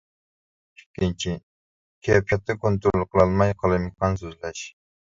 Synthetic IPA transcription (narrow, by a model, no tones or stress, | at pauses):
i̥kʲːint͡ʃʰi | kʲʰɛpʰɛt̪ʰːɛkont̪ɾlˠqʰəlˠɑlˠmɑjqʰəlˠɨjmɨqʰɑnsøzlɛʃ